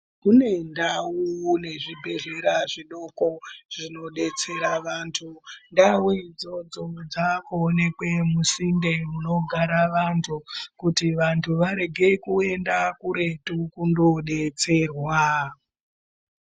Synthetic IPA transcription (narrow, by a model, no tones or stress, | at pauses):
kune̞ndawune̞ʐibʱe̞ɮe̞ɾaʐiɗo̞ko̞ʐ̥ino̞ɗe̞t͡se̞ɾaʋaːntʰundawuid͡zo̞d͡zo̞d͡zakuːne̞kwe̞musinde̞muno̞ɡʱaɾaʋantʰukutiʋantʰuʋaɾe̞ɡʱe̞kue̞ndakuɾe̞tukundo̞ɗe̞t͡se̞rwa